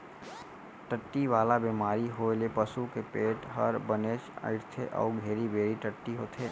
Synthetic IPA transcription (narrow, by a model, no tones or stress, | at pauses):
ʈəʈːiʋaːlabeːmaːɾiɦoelepəsukepeːʈɦɐɾbəneːʃə̰ɪɾt̪ʰeʔɔ̰ːɡʱeːɾibeːɾiʈəʈːiɦoːt̪ʰeː